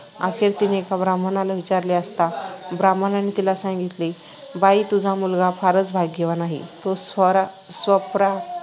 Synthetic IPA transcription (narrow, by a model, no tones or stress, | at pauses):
a̰kʰeɾt̪inekabɾamənalaʋit͡ɕaɾleəst̪abɾamənanit̪ilasãŋɡit̪li | bait̪ud͡zʱamulɡapʰaɾət͡sbʱaɡːeʋanaɦḭt̪osəɾa | sʋəpɾa